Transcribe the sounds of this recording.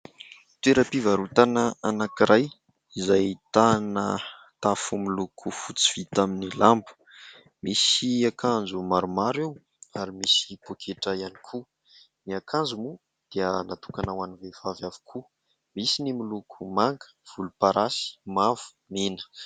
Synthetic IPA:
t̪weɾapivaɾut̪anəanakiɾaj | izajt̪anə | t̪afumilukʰufut͡si̥v̥it̪aminilambu̥ | misiakʰand͡zumaɾumaɾiw | aɾimisipokʰeʈ͡ʂajanikʰu | niakʰand͡zumu | d̪̥iənat̪ukanawanivevavjavu̥kʰu | misinimilukʰumaŋɡə̥v̥ulupaɾasi̥mav̥u̥ | minə̥

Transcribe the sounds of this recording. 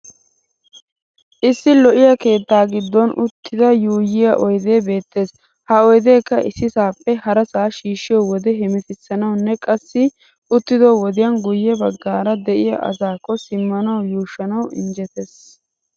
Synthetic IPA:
ʔɪsːɪlɔʔɪjɐke̞ːt̪ːaːɡɪd̪ːɔnʔʊt̪ːɪd̪ɐjuːjɪjɐʔɔjd̪e̞ːbe̞ːt̪ːe̞ːs | hɐɔjd̪e̞ːkːɐʔɪsːɪsaːpːɛhɐɾɐsaːʃiːʃːɪjɔwɔd̪ɛɦɛmɛt̪ɪsːɐnɐwnːɛkʼɐsːɪ | ʊt̪ːɪd̪owɔd̪ɪjɐnɡʊjːɛbɐɡːaːɾɐd̪ɛʔɪjɐ̰ʔɐ̰zaːkːɔsɪmːɐnɐwjuːʃːɐnɐwɪ̰nd͡ʒɛt̪es

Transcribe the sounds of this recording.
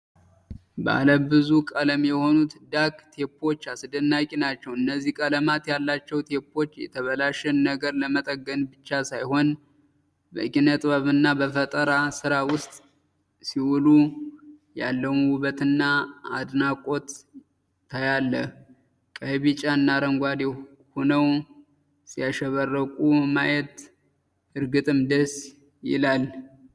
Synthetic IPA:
bə̰ʔa̰ləbːɨzukʼələmjɛho̞nut̪d̪akt̪ʰe̞pʰːo̞t͡ʃːasɨd̪ɨnːakʼinat͡ʃːɛwɨnːəzːikʼələmat̪jalːat͡ʃːɛwt̪ʰe̞pːo̞t͡ʃːjɛ̰t̪ʰəβəlaʃɛnnəɡəɾləmət̪ʼəɡːənbɨt͡ʃːasajho̞n | bə̰kʼinət̪ʼβəβɨnːabəfət̪ʼəɾasɨɾawʊst̪ʼ | siwulu | jalːəwmwuβət̪ʰɨnːaad̪nakʼo̞t̪ːʰ | ajalːə | kʼəβit͡ʃʼaɨnːaɾəŋɡʷad̪e | honəw | sijaʃɛβərːəkʼumajɛt̪ | ɨɾɡɨt̪ʼɨmd̪əs | jɪ̰lal

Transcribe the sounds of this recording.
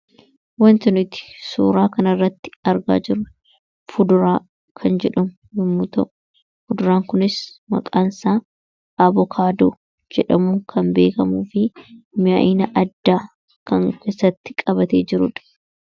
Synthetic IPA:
wɐnt̪ʊnɪt̪ɪ̥sṵːɾaːkɐnɐrːɐt̪ːɪ̥ɐɾɡa̰ːd͡ʒɪɾʊ | fʊd̪ʊɾaː | kʰɐnd͡ʒɛᶑɐmʊ | jɪmːʊt̪ɐʔʊ | fʊd̪ʊɾaːŋkʊnɪsmɐ̰kʼaːnsaː | ɐbɔkʰaːd̪oː | d͡ʒɛᶑɐmʊkʰɐmbe̞̰ːkɐmuːfɪmɪa̰ʔɪːnɐʔɐd̪ːaː | kɐŋkeːsːɐt̪ːɪ̥kʼɐbɐt̪ḛːd͡ʒɪɾʊᶑɐ̥

